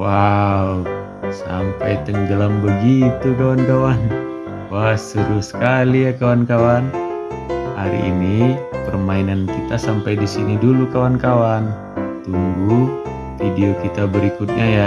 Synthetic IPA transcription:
wau | sa̰mpajt̪əŋɡəlambəɡit̪ukawankawan | wast̪əɾusə̥kalijakawankawan | haɾḭʔːnipərmainankit̪asampajdisinidulukawankawan | t̪uŋɡu | fideokit̪abəɾikut̪̚ɲaja

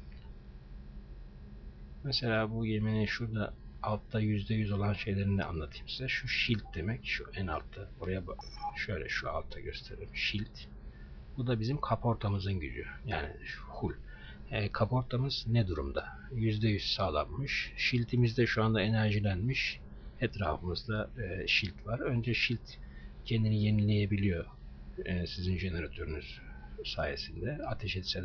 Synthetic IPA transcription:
mɛselʲaːbujeminiʃuɾd̪aalˠt̪ʰːajyzd̪ɛjyzo̞lˠanʃe̞jlʲe̞ɾind̪ɛ̰a̰nˠat̪ʰɯ̥jmsizɛʃuʃilʲt̪̚d̪e̞mɛcʃuʔæna̰lˠt̪ʰːao̞ɾajabʃø̞jlʲɛ̰ʃua̰lˠt̪ʰaɟøst̪ʰe̞ɾelimʃilʲt̪ | bud̪abizimkʰapo̞ɾt̪ʰamɯzɯnɟy̰d͡ʒ̪y̰ja̰ːnḭhulʲː | kʰapo̞ɾt̪ʰamɯz̥nɛd̪uɾumd̪a | jyzd̪ɛjyz̥saːlˠa̰nːɯʃʃilʲt̪ʰimizd̪ɛʃuand̪ae̞næɾʒilʲænmiʃ | ɛt̪ɾaːfɯmɯzd̪aʃilʲt̪vaɾø̞nd͡ʒɛʃilʲt̪cʰend̪inije̞nilʲːe̞jebilʲijo̞ː | sizinʒe̞ne̞ɾat̪ʰø̞ɾynyz̥saːje̞sind̪ɛat̪ʰeʃɛt̪sɛd̪

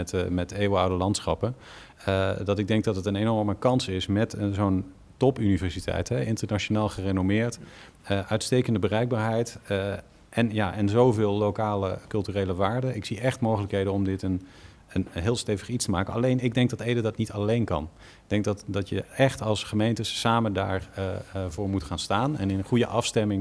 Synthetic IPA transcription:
ɛtmɛtejwəɑwdəlɑntsχɑpən | dɑtɪɡ̚dɛŋk̚dɑtətənenɔɹməkɑnsɪsmɛtzown | tɔpynivɛɹsitʰɛ̰jtɦɛɪntəɹnat͡ʃonaːlˠχərenomɪːɹt | əʔœɥtstejkəndəbərɛjk̚ɡ̚baːɹɦɛjt | ʔɛnjaːʔɛnzowvɪːlˠːokaːləkɵlˠtyrejləʋaːɹdəɪksiʔɛχtmowχələkɦejdənɔmdɪtən | ənɦɪːlˠstejvəχitstəmaːkənɑ̰lejnɪɡ̚dɛŋɡ̚dɑtejdədɑtnitɑlejnkɑ̰n | ɪɡ̚d̥ɛŋk̚dɑtdɑtjəɛχtɑlˠsχəmejntəsaːmənda̰ːɹvʊːɹmutχaːnstaːnɛ̰nɪnəχujə̰ʔɑfstɛmɪŋ

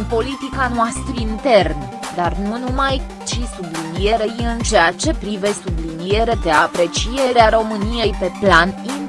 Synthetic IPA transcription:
npo̞lit̪ikanoast̪ɾiint̪e̞rn | d̪arnunumaj | t͡ʃisublinije̞ɾe̞jɨnt͡ʃeat͡ʃe̞pɾive̞sublinije̞ɾe̞d̪e̞apɾe̞t͡ʃie̞ɾeaɾo̞mɨnije̞jpe̞planin

